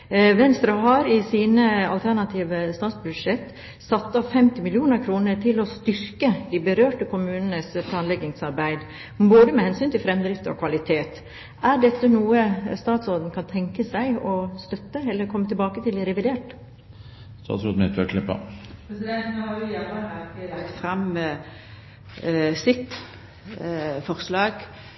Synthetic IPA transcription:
ʋɛnst̪ɾɑɦɑɾɪsiːnəɑ̰lt̪ʰæɳɑt̪ʰiːʋəst̪ɑːt̪sbʉd̪ʂɛt̪ː | sɑt̪ːɑʋfɛmt̪ɪmɪlɪuːnəɾkʰɾuːnəʈʰɪlɔst̪ʏɾkəd̪ibəɾøːʈəkʰʊmʉːnənəspʰlɑːnlɛɡɪŋsɑɾbæɪd̪ | boːd̪əmɛhɛnsyːnt̪ɪlfɾɛmd̪ɾɪft̪ɔ̰kʰʋɑlɪt̪ʰeːt̪ | æɖɛt̪ːənuːəst̪ɑːt̪soːd̪n̩kʰɑnt̪ʰɛŋkəsæɪɔst̪œt̪ːəɛlːəɾkʰɔmːət̪ʰɪlbɑːkət̪ɪlɪɾɛʋɪd̪eːʈ | st̪ɑ̰ːt̪soːd̪mɪt̪ʰʋɛkʰlɪpːɑ̰pʰɾɛsɪd̪ɛnt̪nhɑʉjæʋɑɑkəlɑkt̪fɾɑm | sɪt̪ | fɔɾslɑːɡ

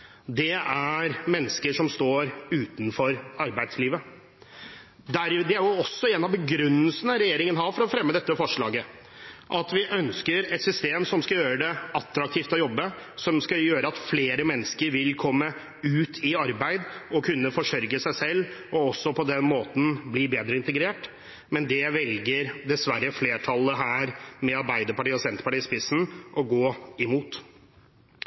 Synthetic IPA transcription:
d̪ɛæɾmɛnːəskəʂɔmst̪oːɾʉːt̪nfɔɾɑɾbæɪd̪sliːʋə | d̪æɾd̪ɛæɾjʊɔsːɔɛnːɑʋbəɡɾʉnːəlsənəɾɛjeːɾɪŋənɦɑɾfɔɾɔfɾɛmːəd̪ɛt̪ːəfɔʂɭɑ̰ːɡə | ʔɑt̪ʋɪʔœnskəɾɛt̪sʏst̪eːmsɔmskɑjøːɾəd̪ɛʔɑt̪ːɾɑk̚t̪ʰiːft̪ɔjɔbːəsɔmskɑjøːɾəɑt̪fleːɾəmɛnːəskəɾʋɪlkʰɔmːə | ʉːt̪ʰɪɑɾbæɪd̪ɔkʰʉnːəfɔʂœɾɡəsæɪsɛlːɔɔsːɔpʰɔd̪ɛnmoːt̪n̩bliːbeːd̪ɾəɪnt̪əɡɾeːʈ | mɛnd̪ɛʋɛlɡəɾd̪ɛsʋæɾəfleːʈʰɑlːəɦæːɾmɛɑɾbæɪd̪əɾpɑʈiːɔsɛnt̪əpɑʈiːspɪsn̩ʔɔɡoːɪmuːt̪

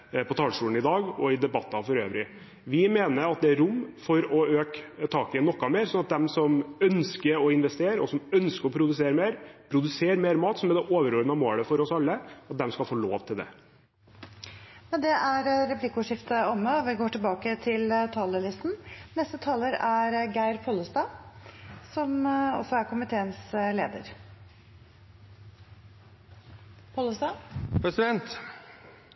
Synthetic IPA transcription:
pʰɔt̪ʰɑːlʂuːln̩ɪd̪ɑːɡɔɪd̪ɛbɑt̪ːɑfɔɾøːʋɾɪ | ʋɪmeːnəɾɑt̪̚d̪ɛæɾʊmfɔɾɔøːkt̪ʰɑːkɪɛnːɔkːɑmeːɾsɔnɑt̪̚d̪ɛmsɔmœnskəɾɔɪnʋɛst̪eːɾəɔsɔmœnskəɾɔpʰɾʊd̪ʉseːɾəmeːɾpʰɾʊd̪ʉseːɾmeːɾmɑːt̪sɔmæd̪ɛʔoːʋəɾøːɾənəɑmoːləfɔɾɔsɑlːəɑt̪̚d̪ɛmskɑlfoːlo̰ːʋt̪ʰɪld̪ɛ̰ | mɛnd̪ɛʔæɾɾɛpʰlɪkːʊʂɪft̪əɔmːəɔʋɪɡoːʈɪlbɑːkət̪ʰɪlt̪ʰɑːləlɪst̪n̩nɛst̪ət̪ʰɑːləɾæɾɡæɪɾpʰɔləst̪ɑː | sɔmɔ̰sɔæɾkʊmɪt̪ʰeːənsleːd̪ə̰ɾ | pʰoːləst̪ɑːpɾɛsɪd̪ɛnt̪

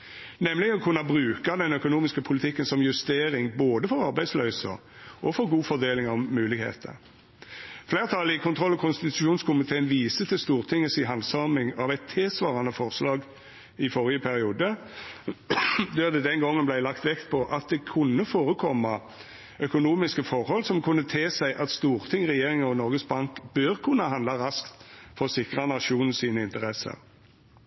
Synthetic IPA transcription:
nɛmːlɪɡənɔkʰʉnːɑbʁʉːkɑd̪ɛnœkʊnuːmɪskəpʰʊlɪt̪ʰɪkːənsɔmjʉst̪eːɾɪŋboːd̪əfɔɾɑɾbæɪslœːsə̰ | ɔfɔɾɡuːfɔd̪eːlɪŋɑmːʉːlɪɡhḛːt̪ə̰ | fleːʁt̪ʰɑlːəɪkʰʊnt̪ʁɔlːɑkʰʊnst̪ɪt̪ʉʃuːnskʰʊmɪt̪ʰeːənʋiːsət̪ʰɪlst̪uːʁt̪ʰɪŋːəsɪɦɑnd̪sɑmɪŋɑʋɛɪt̪ʰːeːsʋɑːʁɑnəfɔʁslɑːɡ | ɪfɔʁɪəpʰæɾɪuːd̪ə | d̪ɛːʁd̪ɛd̪ɛnɡɔŋːənblæɪlɑkt̪ʋɛkt̪̚pʰɔʔɑt̪̚d̪ɛkʰʉnːəfoːʁəkʰɔmːɑ | œkʊnuːmɪskəfɔʁhɔlsɔmkʰʊnːət̪ʰeːsæɪʔɑt̪st̪uːʁt̪ʰɪŋʁɛjeːʁɪŋəɔnɔʁɡəsbɑŋkb̥øʁkʰʊnɑɦɑnd̪lɑʁɑskt̪fɔsɪkʁɑnɑʃuːnn̩siːnəɪnt̪əʁɛsə̰ʁ

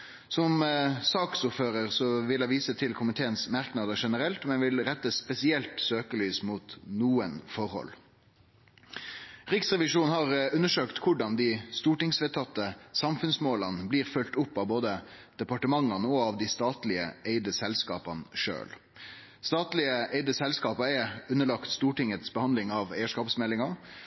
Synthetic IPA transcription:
sɔmsɑːksʊʁføːɾəʁsɔʋɪlæɪʋiːsət̪ʰɪlkʰʊmɪt̪ʰeːənsmæɾknɑd̪əʂɛnəɾɛlt̪mɛnʋɪlɾɛt̪ːəspɛsɪɛlt̪søːkəlyːsmuːt̪nuːənfɔɾhɔ̰l | ʁɪksʁɛʋɪʂuːnhɑʁʉnːəʂøːkt̪kʰʊɖɑnd̪ɪst̪uːʈɪŋsʋɛt̪ʰɑt̪ːəsɑmfʉnsmoːlənbliːɾfʉlt̪ʊpːɑʋboːd̪əd̪̥ɛpɑʈəmɑŋːɑnəɔɑʋd̪ɪst̪ɑːt̪lɪə̰eɪd̪əsɛlskɑ̰ːpɑnʂø̰ːl | st̪ɑːt̪lɪəʔeɪd̪əsɛlskɑːpəɛʉnːəɭɑkt̪st̪uːʈɪŋət̪sbəhɑnd̪lɪŋɑʋeɪəʂkɑːpsmɛlːɪŋɑ

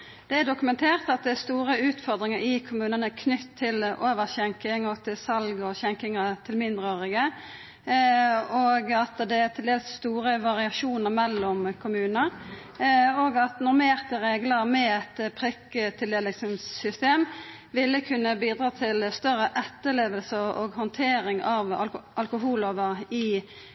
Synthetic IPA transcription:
d̪̥ɛæd̪ʊkʉmɛnt̪ʰeːʁt̪ɑt̪̚d̪ɛɛst̪uːɾəʉːt̪fɔʁd̪ʁɪŋəɾɪkʰʊmʉːnənəkʰnʏt̪ʰːɪlʔoːʋəʁçɛŋkɪŋɔt̪ʰɪlsɑlɡɔçɛŋkɪŋət̪ʰɪlmɪnd̪ʁəoːʁɪɡə | oːɡɑt̪d̪ɛæt̪ʰɪld̪eːləsst̪uːɾəʋɑʁɪɑʃuːnəʁmɛlːɔmkʰʊmʉːnəɾ | oːɡɑt̪nɔʁmeːʁt̪əɾeːɡləɾmɛɛt̪pʰʁɛkət̪ʰɪld̪eːlɪsənsʏst̪eːm | ʋɪlːəkʰʉnːəbiːd̪ɾɑːt̪ʰɪlst̪œʁəʔɛt̪ːəleːʋəlsəʁo̰ːɡhɔnt̪ʰeːɾɪŋɑʋʔɑlkʊɦuːloːʋəʁɪ

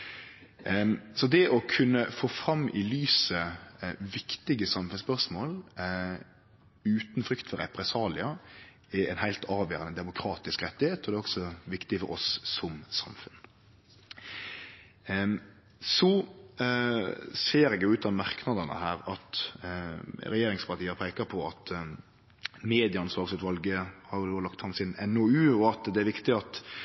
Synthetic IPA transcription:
sɔd̪ɛʔɔkʰʉnːəfoːfɾɑmːʔɪlyːsəʋɪkt̪ɪɡəsɑmfʉnspœʁsmoːl | ʉːt̪n̩fɾʏkt̪fɔɾɛpɾɛsɑːlɪɑ | ɛɛ̰ɪnhæɪlt̪ʰɑːʋjøːɾənəd̪ɛmʊkʰɾɑːt̪ɪskɾɛt̪ːɪheːt̪ɔd̪ɛɔksɔʋɪkt̪ɪfɔ̰ɾɔsːɔmsɑ̰mfʉn | sɔ | seːɾɛːɡjʊʉːt̪ɑnmɑʁknɑd̪ənə̰hæːɾɑt̪ | ɾɛjeːɾɪŋspʰɑɾt̪iːəpʰeːkəpʰɔɑt̪ | meːd̪ɪɑɑnsʋɑːɾsɛt̪ʋɑlɡəhɑɾjʊd̪oːlɑkt̪hɑnsɪnɛnɔʉːɔɑt̪d̪ɛæɾʋɪkt̪ɪɑt̪

